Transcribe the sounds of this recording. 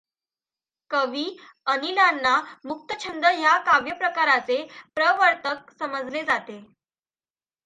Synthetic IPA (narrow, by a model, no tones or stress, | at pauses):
kəʋiː | ənilanːamuk̚t̪ət͡ɕʰənd̪əjakaʋjəpɾəkaɾat͡sepɾəʋəɾt̪ək̚səməd͡zled͡zat̪e